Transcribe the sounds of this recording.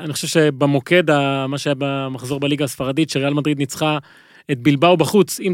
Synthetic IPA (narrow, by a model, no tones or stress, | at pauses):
anixoʃevʃebemo̞ke̞d̪amaʃeajabemaχzo̞ʁbaliɡaːsfaʁadit̪ʃeʁealmad̪ʁid̪nit͡sχa | et̪̚bilbawbaχut͡sim